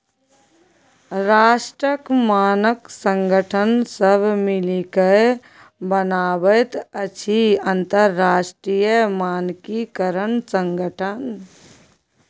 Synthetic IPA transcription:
ɾaːʃʈɾəkmaːnəksə̃ŋɡəʈʰənsəbʱmɪlikəe | bənaːbət̪ət͡ʃʰiənt̪əɾːaːʃʈɾijəmaːnkikəɾənsə̃ŋɡəʈʰən

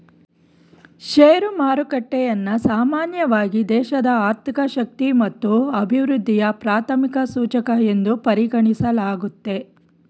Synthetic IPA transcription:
ʃeːɾumaːɾukɐʈːɛjɐnːɐsaːmaːnjɐʋaːɡid̪ɛːʃɐd̪ɐaːɾt̪ikɐʃɐk̚t̪imɐt̪ːuɐbʱiʋɾud̪ʱːijɐpɾaːt̪ʰɐmikɐsuːt͡ʃɐkɐe̞nd̪upɐɾiɡɐɳisɐlaːɡut̪ːe̞

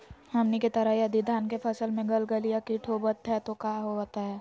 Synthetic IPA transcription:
hɐmniket̪ɐɾəɦjad̪id̪ʱaːnkepʰɐsəlmẽɡɐlɡəlijakiʈʰoːbət̪ɦɛt̪okaːɦoat̪aɦɛː

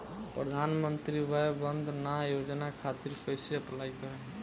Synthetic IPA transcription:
pɾəd̪ʱanmənt̪ɾibajbənd̪ʱnajod͡ʒnakʰat̪iɾpəjseəplaikəɾɛ

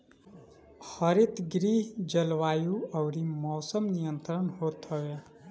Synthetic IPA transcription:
hʌɾit̪ɡɾiːɦd͡ʒəlʋaːjuʌwɾimɔːsəmnijənt̪ɾənɦot̪ʌwe

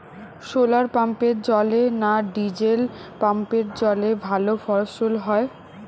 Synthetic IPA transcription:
ʃolaɾpampeɾd͡ʑɔlenaɖid͡ʑelpampeɾd͡ʑɔlebʱalofʰɔɾsolɦɔe

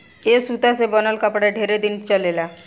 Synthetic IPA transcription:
esut̪asebənəlkapɽaɖʱeɾed̪int͡ɕalela

